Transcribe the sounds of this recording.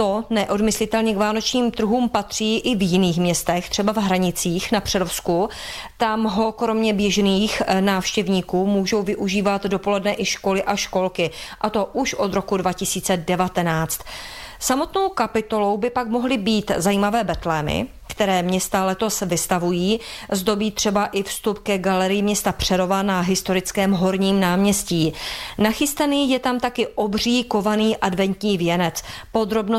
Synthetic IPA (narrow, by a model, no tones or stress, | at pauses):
t̪o̞nɛʔo̞dmɪslɪt̪ɛlɲɛkvaːno̞t͡ʃɲiːmt̪r̩ɦuːmpat̪r̝̥iːʔɪvjɪniːxmɲɛst̪ɛxt̪r̥ɛbavɦɾaɲɪt͡siːxnapr̥ɛlofsku | t̪amɦo̞kɾo̞mɲɛbjɛʒniːxnaːfʃcɛvɲiːkuːmuːʒo̞wvɪʔuʒiːvat̪do̞po̞lɛdnɛʔɪʃko̞lɪʔaʃko̞lkɪʔat̪o̞ʔuʃʔo̞d̪ɾo̞kudvacɪsiːt͡sɛdɛvat̪ɛnaːt͡st̪samo̞t̪no̞wkapɪt̪o̞lo̞wbɪpakmoɦlɪbiːt̪zajiːmavɛːbɛt̪lɛːmɪ̰ | kt̪ɛɾɛːmɲɛst̪alɛt̪o̞svɪst̪avujiːzdo̞biːt̪r̥ɛbaʔɪfst̪upkɛɡalɛɾɪjɪmɲɛst̪apr̝̥ɛɾo̞vanaɦɪst̪o̞ɾɪt͡skɛːmɦo̞ɾɲiːmnaːmɲɛsciːnaxɪst̪aniːjɛt̪amt̪akɪʔo̞br̝iːko̞vaniːʔadvɛnt̪ɲiːvjɛnɛt͡spo̞d̪ɾo̞bno